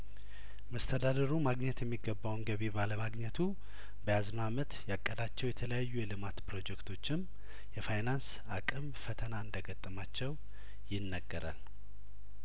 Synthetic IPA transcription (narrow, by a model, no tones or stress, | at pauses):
məst̪ʰəd̪ad̪əɾumaɡɲɛt̪jɛmːiɡːəbːawnɡəβibaləmaɡɲɛt̪ʰu | bəjaznamət̪jakʼːəd̪at͡ʃːɛwjɛt̪ʰələjajːujɛlɨmat̪pɾo̞d͡ʒɛkt̪ʰo̞t͡ʃːɪm | jɛfajnans | akʼɨmfət̪ʰənaɨnd̪əɡət̪ʼːəmat͡ʃːɛw | jɪnːəɡːəɾa̰l